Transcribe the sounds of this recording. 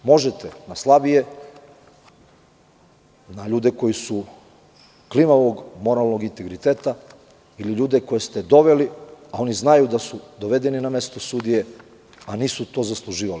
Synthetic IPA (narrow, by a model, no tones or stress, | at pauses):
mo̞ʒet̪enaslˠabije̞ | naʎuːd̪e̞ko̞jisu | klimaʋoɡmo̞ɾalˠnoɡint̪e̞ɡɾit̪eːt̪a | iliʎuːd̪eko̞jest̪ed̪o̞ʋe̞liao̞niznajud̪asud̪o̞ʋe̞d̪e̞ninamest̪o̞sud̪ije̞ | aniːsut̪o̞ːzaslˠuʒiːʋali